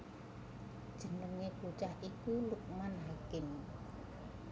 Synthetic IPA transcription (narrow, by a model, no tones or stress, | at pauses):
d̥ʒ̥ə̤nəŋeput͡ʃahʔikuluk̚manɦakɪn